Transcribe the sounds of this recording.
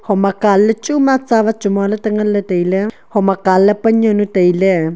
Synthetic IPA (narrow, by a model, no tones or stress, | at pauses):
homakalət͡ʃʼumat͡saβat͡ʃumolat̪aŋalət̪ejle | homakaləpaɲõnut̪ejle